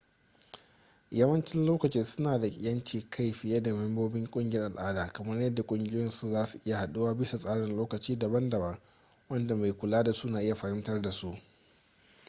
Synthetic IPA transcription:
jɐ˦wɐ˦nt͡ʃɪ˦nloː˦kɐ˨t͡ʃɪː˦sʊ˦naː˨da˨ɪ̰˨jɐ˦nt͡ʃiː˨kʰa˦˨jɸɪ˨jɐ˦da˨mɛ˦mboː˦bɪ˦ŋkʷʼʊ˦ŋɡʲɪ˨jɐ˦rʔa˨lʔaː˦daː˨kɐ˨mɐ˦rjɐ˦dːa˨kʷʼʊ˦ŋɡʲɪ˦jɪ˦nsu˦zaː˦su˨ʔɪ˦ja˨ha˨ɗu˦waː˦bɪ˦sa˨sʼaː˦ɽɪ˨nloː˦kɐ˨t͡ʃiː˦da˨bɐ˦ndɐ˨bɐ˦ŋ | wɐ˦nda˨ma˨jkʷʊ˨laː˦da˨su˦naː˨ʔɪ˦ja˨ɸa˨hɪ˦mtɐ˦rda˨su˦ʔ

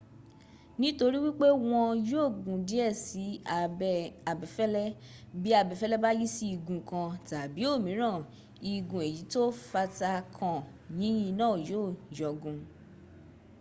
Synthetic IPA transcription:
nĩ˦to˧ɾi˦wi˦k͡pe˦w̃ɔ̃˧jo˦˨ɡũ˨di˨˦ɛ˦˨si˨˦˨ | a˨bɛ˨fɛ˦lɛ˦bi˦a˧bɛ˧˨fɛ˦lɛ˦ba˦ji˦si˦i˧˨ɡũ˧kã˧ta˨bi˨˦o˦˨mĩ˨˦ɾ̃ã˦˨ | i˧ɡũ˨e˨ji˨˦to˦fa˧ta˧kʰã˨ | nĩ˨˦j̃ĩ˧nãː˦˨jo˦˨jɔ˨ɡũ˧

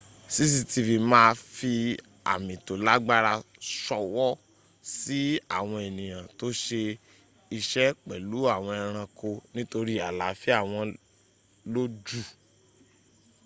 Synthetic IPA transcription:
si˦s̬i˧ti˧fi˧mãː˦˧fi˧ | a̰˨mĩ˨to˨la˦ɡ͡ba˦ɾa˧ | ʃɔ˧wɔ˦ | si˦a̰˦˨w̃ɔ̃˧e˨nĩ˨j̃ã˨to˦ʃe˧ | i˧ʃɛ˦k͡pɛ˨lu˨˦a˦˨w̃ɔ̃˧i˧ɾ̃ã˧ko˧nĩ˦to˧ɾi˦a˨la˨fi˦a˦˨w̃ɔ̃˧ | lo˦d͡ʒu˦˨

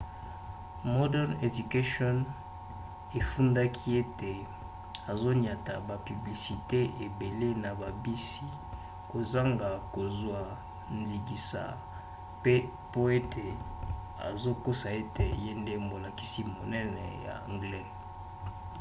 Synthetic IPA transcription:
mɔ˦dɛ˦ne˨du˨ka˦ʃɔ˦n | e˨fu˦nda˦kʰi˦e˦te˨ | a˨zo˦ni˨a˨ta˨ba˨py˨bli˨si˨te˦e˨be˨le˦na˨ba˨bi˦si˨ | ko˨za˦ŋɡa˨ko˨zwa˨ | nzi˨ɡi˨sa̰˨ | pe˦ | po˦e˦tʰe˨ | a̰˨zo˦ko˦sa˨e˦te˨je˦nde˦mo˨la˨ki˨si˦mo˨nɛ˦nɛ̰˨ja̰˨a̰˨ŋɡlɛ˦

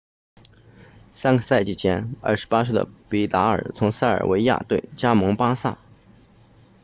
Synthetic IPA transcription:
sa˥nɡə˨˩sa˥˧ɪt͡ɕi˨˩t͡ɕʰjɛ˥nɐ̰˥˩ʂɻ̩˧˥pa˥ʂwe˥˩d̪ə̰˨˩pi˧˥t̪a˧˥ə̰˞˨˩t͡sʰʊ˧˥ŋsa˥˩ɪə̰˞˨˩we˧˥ɪja̰˥˧t̪we˥˩ɪt͡ɕja˥mɤ˧˥ŋpa˥sa̰˥˩

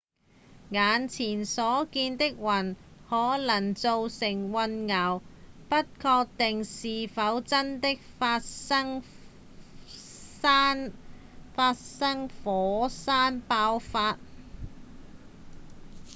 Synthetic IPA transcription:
ŋaː˨˧nt͡sʰiː˨˩nsɔː˨˥kiː˧nt̪ɪ˥k̚wɐ˨˩nhɔː˨˥lɐ˨˩ŋt͡so˧wsɪ˨˩ŋwɐ˧nŋɐ˨˩wpɐ˥t̚kʰɔː˧k̚t̪ɪ˨ŋsiː˨fɐ˨˥wt͡sɐ˥nt̪ɪ˥k̚fa˧tŋ | a˥n | faː˧t̚sɐ˥ŋfɔː˨˥saː˥npaː˧˥wfaː˧t̚

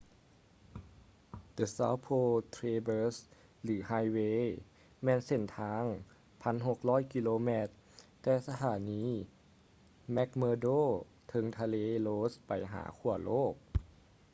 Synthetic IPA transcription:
d̪ə˨˩sa̰ː˧˥wpʰoː˧t̪ʰɾeː˧bɤː˧˥s | lɯː˩˦haː˧˥jweː˧ | mɛː˧˥nse˧˩nt̪ʰaː˧˥ŋ | pʰa˧˥˨nɦo˨˧˩k̚lɔː˦˥˨jki˧loː˧mɛː˧˩t̪ː | ɛː˧sa˧t̪ʰaː˨˩˦niː˦˥ | mɛ˦˥k̚mɤː˧doː˥˩˨ | t̪ʰɤ˧ŋt̪ʰa˧leː˧loː˧˥spa˨˩jɦa̰ː˩˦kʰu˧˩ɐloː˥˩k̚

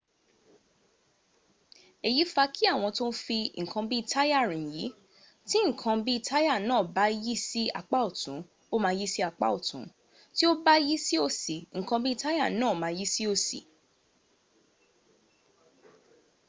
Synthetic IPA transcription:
e˨ji˨˦fa˧kʰi˦a˦˨w̃ɔ̃˧to˦fi˧˨ŋ̩˨kʰã˧bi˦i˨tʰa˦ja˦˨ɾ̃ĩ˨ji˨˦ | ti˦ŋ̩˨kʰã˧bi˦i˧tʰa˦ja˦˨nãː˦˨ba˦ji˦si˦a̰˦˨k͡pa˦o˦˨tũ˨˦ | o˦mã˧ji˦si˦a˨k͡pa̰˦o˦˨tṵ̃˨˦ | ti˦o˦ba˦ji˦si˦o˦si˨ŋ̩̃˨kã˧bi˦i˧ta˦ja˦˨nãː˦˨mãː˧ji˦si˦o˧sḭ˨

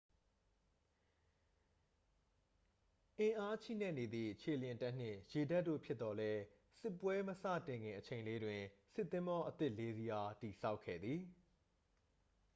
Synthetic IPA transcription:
ʔɪ̃˨ʔa˦t͡ɕʰḭ˦˨nɛ˦˨ne˨d̪ðḭ˦˨t͡ɕʰe˨ljɪ̃˨ta˦ʔn̥ɪ̰̃˦˨je˨da˦ʔtːo̰˦˨pʰjɪ˦t̪t̪ːɔ˦lɛ˦ | sɪ˦pːwɛ˦məsä̰˦˨tɪ̃˨ŋɡɪ̰̃˨ʔət͡ɕʰẽ˨ɪ̃nle˦dwɪ̃˨sɪ˦t̪ːɪ̃˦mbɔ˦ʔət̪ɪ˦ʔle˦zi˦ʔa˦ti˨sa˦ʊkʰːɛ̰˦˨d̪ði˨

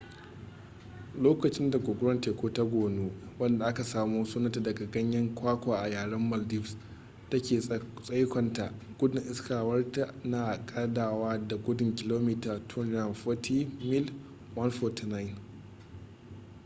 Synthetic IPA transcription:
loː˦kɐ˨t͡ʃɪ˦nda˨ɡʷʊ˨ɡʷʊ˦ɾɔ˦nteː˨kʷoː˦ta˦ɡʷoː˨noː˦wɐ˦nda˨ʔa˦ka˨saː˦muː˦suː˦nɐ˦ta˨dɐ˨ɡa˨ɡɐ˦ɲjɐ˦ŋkʷaː˦kʷaː˨ʔa˨jaː˨ɽɐ˦mːɐ˨ldi˦fs | tɐ˦kʲeː˨sʼɐ˦jkʷɐ˨nta˨ʔ | ɡ̥ʷʊ˦dʊ˨ŋʔɪ˦skaː˨wɐ˦rta˨ʔnaː˨kʼaː˦daː˨waː˦da˨ɡʷʊ˦dʊ˨ŋkʲɪ˦loː˦miː˦taː˨tʰʊ˦n˦a˨mfɔ˦tʰi˦mɪ˦l | wɐ˦nfɔ˦tna˦jɪ˨n

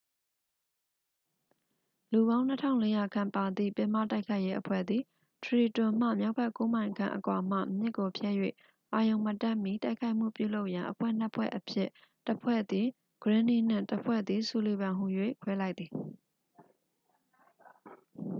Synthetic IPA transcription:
lu˨βã˦ʊ̃n̥ə˦tʰã̰˦˨le˦ja˨kʰã˨mpa˨d̪ðḭ˦˨pɪ̃˨ma̰˦˨ta˦ɪkʰa˦ɪʔje˦ʔəpʰwɛ̰˦˨d̪ði˨ | tʰəɹi˨tʊ̃˨m̥ä̰˦˨mja˦ʊpʰɛ˦ʔko˦mã˨ɪ̃ŋkʰã̰˨ʔə˨kwa˨m̥ä̰˦˨mjɪ˦ʔkːo˨pʰjɛ˦˨jwḛ˦˨ | ʔa˨jõ˨ʊ̃mə˨tɛ̃˦˨mji˦˨ta˦ɪʔkʰa˦ɪʔm̥ṵ˦˨pjṵ˦˨lo˦ʊʔjã˨ʔəpʰwɛ̰˦˨n̥ə˦pʰwɛ̰˦˨ʔəpʰjɪ˦˨ | təpʰwɛ̰˦˨d̪ði˨ | ɡ̥əɹɪ̃˦ni˦˨n̥ɪ̰̃˦˨təpʰwɛ̰˦˨d̪ði˨su˨le˨bã˨ɦu˨jwḛ˦˨kʰwɛ˦la˦ɪt̪̚ːði˨

